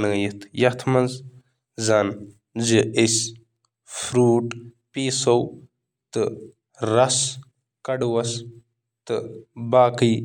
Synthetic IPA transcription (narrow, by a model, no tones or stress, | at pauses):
nɐjit̪ʰjɐt̪ʰmɐnz | zan | d͡ʒɨis | fɾuːʈ | piːsɐw | t̪ɨ | ɾɐs | kɐɖwɐs | t̪ɨbaːkɨj